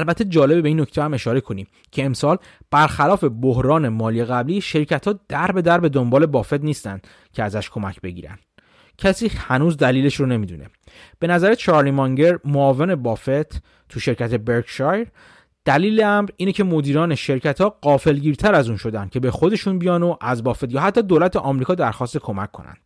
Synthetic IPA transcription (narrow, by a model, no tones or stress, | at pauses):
ælbæt̪ʰːed͡ʒɒːlebebeiːnːocʰt̪ʰehæme̞ʃɒːɾe̞kʰo̞niːm | cʰe̞ːmsɒːl | b̥æɾxælɒːfe̞bohɾɒːne̞mɒːliːeɣæbliːʃe̞ɾcʰæt̪ʰhɒːd̪̥æɾbe̞d̪æɾbe̞d̪o̞mbɒːle̞bɒːfe̞t̪niːst̪æ̰nd̪̥ | cʰeæzæʃkʰo̞mæ̰cʰbe̞̰ɟiːɾæ̰nd̪̥ | cʰæsiːhænuːzd̪æliːle̞ʃɾone̞miːd̪ṵne̞̰ | b̥e̞næzæɾet͡ʃʰɒːɾlimɒŋɟe̞ɾmoɒːvene̞bɒːfe̞t̪ʰ | t̪ʰuʃe̞ɾcæt̪ʰe̞be̞ɾɡʃɑjɾ | d̪̥æliːle̞æmɾiːnecʰe̞mo̞d̪iːɾɒːne̞ʃe̞ɾcʰæt̪ʰɒːɢɒːfe̞lɟiːɾt̪ʰæɾæzuːnʃo̞d̪æn̥cʰe̞be̞xo̞d̪e̞ʃuːnbijɒːnoʔæzbɒːfe̞t̪jɒːɦæt̪ːɒːd̪olæt̪ʰeʔɒːmɾiːkɒːd̪æɾxɒːst̪ekʰo̞mæ̰cʰːo̞̰næ̰nd̪̥